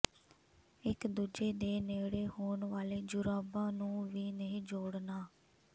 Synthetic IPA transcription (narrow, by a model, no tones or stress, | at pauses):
ɪkd̪uːd͡ʒeːd̪eːneːɽeːhoːɳʋaːleːd͡ʒʊɾaːbãːnũːʋiːneɦĩːd͡ʒoːɽnaː